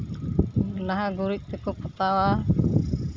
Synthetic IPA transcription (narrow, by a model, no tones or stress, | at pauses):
laɦaɡuɾiʔ̚t̪əkupət̪awa